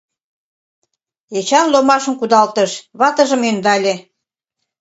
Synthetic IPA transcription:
et͡ɕɑmlomɑʃə̆nkud̪ɑlt̪əʃβɑt̪əʒə̆mynd̪ɑlʲe

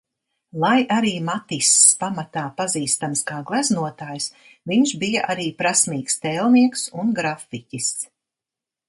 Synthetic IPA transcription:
lˠajʔaɾiːmat̪isːpamat̪aːpaziːst̪amskaːɡlˠæznuɔt̪aːjs | viɲʃbijaʔaɾiːpɾasmiːkst̪ɛːlˠniɛksunɡɾaficʲis

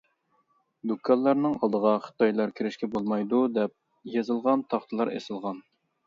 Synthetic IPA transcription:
d̪ukʰːɑlˠːɑɾnɨŋɑlˠd̪əʁɑχə̥t̪ɑjlˠɑɾkʲʰiɾɪʃkʲɛbolˠmɑjd̪ud̪ɛp̚ | jezɨlˠʁɑnt̪ʰɑχt̪ʰɨlˠɑɾḛsɨlˠʁɑn

